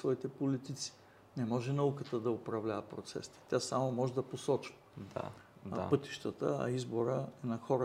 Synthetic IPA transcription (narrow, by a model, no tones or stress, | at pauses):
vɔit̪ɛpolit̪it̪si̥ | nɛmɔʒɛnɐukət̪əd̪ɐʊpɾɐvlʲavəpɾot̪sɛ̰st̪i̥t̪ʲasamomɔʒɛd̪ɐposɔt͡ʃvəd̪a̰ | pɤt̪i̥ʃt̪ət̪ə̰ɐ̰izboɾəɛnɐxɔɾə